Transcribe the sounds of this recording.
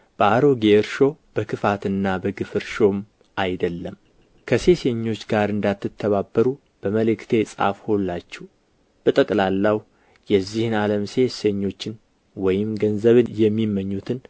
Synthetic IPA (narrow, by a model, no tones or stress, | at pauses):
b̥əaɾoɡeɾʃo̞b̥əkʰɨfat̪ɨnːabəɡɨfɨɾʃo̞m | ajd̪əlːəm | kʰəse̞seɲːo̞t͡ʃːɡaɾɨnd̪at̪ːɨt̪ʰːəβabːəɾu | b̥əməlɨkt̪ʰe̞sʼa̰fholːat͡ʃːɛw | b̥ət̪ʼəkʼlalːaw | jɛzːihɨnaləmse̞seɲːo̞t͡ʃːɪn | wɔjɪmɡənzəβɨjɛmːimːəɲːut̪ʰɨn